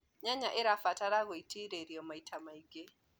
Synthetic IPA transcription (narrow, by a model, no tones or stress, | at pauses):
ɲaɲaʔeɾafataɾaɣɔitʰiɾeɾiɔmaitʰamaiɡe